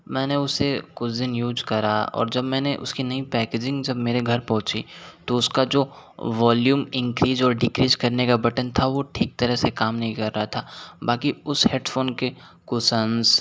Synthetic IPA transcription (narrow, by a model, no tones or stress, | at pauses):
mɛ̃ːneʊsekʊd̪ɪnjuːzkɐɾaɔ̰ːɾd͡ʒɐbmɛ̃ːneʔʊ̰skinɐipɛːkeːd͡ʒɪ̃ŋɡd͡ʒɐbmeːɾeɡʱɐɾpɔ̃ɦʊ̃t͡ʃit̪oʊskad͡ʒoː | ʋaːljuːmɪ̃ŋkɾiːzɔːɾɖɪkɾiːzkɐɾnekabɐʈənt̪ʰaʋoʈʰiːk̚t̪ɐɾəɦsekaːmnɐɦĩkɐɾːɐɦat̪ʰaːbaːkiʊsheːɖfoːnke | kʊsənz